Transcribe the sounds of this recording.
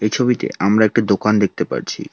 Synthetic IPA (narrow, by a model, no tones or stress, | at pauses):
ejt͡ɕʰobit̪ḛamɾaek̚ʈad̪okand̪ek̚t̪epa̰ɾt͡ɕʰḭ